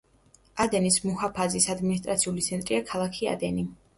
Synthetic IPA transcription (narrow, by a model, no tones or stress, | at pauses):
ad̪ɛnismuhapʰazisad̪minist̪ʼɾat̪sʰiulit̪sʰɛnt̪ʼɾiakʰalˠakʰia̰d̪ɛni